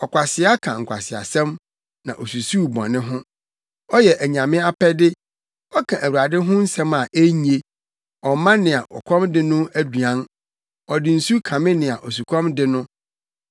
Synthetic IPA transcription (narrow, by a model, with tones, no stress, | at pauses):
ɔ˨kʷʰa˨sɪ˨˦a˦kʰã̰˨ŋ̩˨kʷa̰˨sɪ˨a̰˨sɛ̃˦m | nã̰˨ʔɔ˨su˨su˦˨bɔ̰̃˨nɪ̃˦ɦʊ̃˦ | ɔ˦jɛ˨ʔæ˨ɲã˨mɪ̃˦a˦pʰɛ˦dɪ˦ | ɔ˦kʰã˨ʔæ˨wu˨a˨dɪ˦ɦʊ̃˦n̩˦sɛ̃˦ma˨ʔe˦ɲ˨e˦ | ɔ˨mã˦nɪ̃˨a˨ʔɔ̰˨kʷʰɔ̃˦mdɪ˦nʊ̃˦æ˦du˨ã˦n | ɔ˨dɪ˨n̩˨su˦kʰã˨mɪ̃˦nɪ̃˨a˨ʔɔ˨su˨kʰɔ̃˦mdɪ˦nʊ̃˦